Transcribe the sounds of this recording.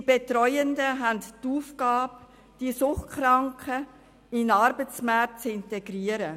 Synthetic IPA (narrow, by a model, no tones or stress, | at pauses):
d̥ibetɾɔʏəndəɦænttuːfɡ̥ɑːp̚ | d̥isʊχtkχɾɑŋkə | ɪnɑɾbət͡smæt̚t͡sɪnteɡɾiːəɾə